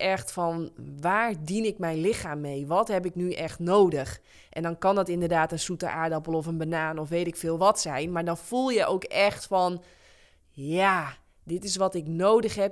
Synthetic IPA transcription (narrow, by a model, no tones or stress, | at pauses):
ɛxtfɔnʋaːɹdinɪkmɛjnlɪxaːmːejʋɔthɛpɪknyʔɛxtnoːdəx | ʔɛndɔnkɑndɔtɪndərdaːtənsutə̰ʔa̰ːɹdɔpəlˠɔfənbənaːnɔfʋeːtɪkfɪːlˠʋɔtsɛjnmaɹdɔnfulˠjəʔowkɛxtfɔn | ja | dɪtɪs̬ʋɔtɪknoːdəxɦɛp̚